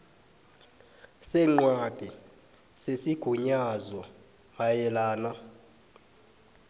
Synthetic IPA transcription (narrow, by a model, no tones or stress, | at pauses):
sɛŋ͡ǃwaɡ̥ʱɛ | sesiɡ̥ʱuɲazɔ | ŋajɛlaːna